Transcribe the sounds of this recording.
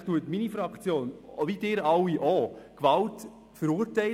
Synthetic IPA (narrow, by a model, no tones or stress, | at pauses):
tuətminifɾɑkt͡sjoːnʋidɪɾɑwiʔɔkʋɑlt | fəɾuːɾtɛɪ